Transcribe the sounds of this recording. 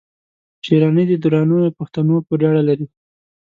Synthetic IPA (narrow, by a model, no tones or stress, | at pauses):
t͡ʃeɾɑnəd̪əd̪uɾɑnujopaxt̪anopəɾaɽalaɾi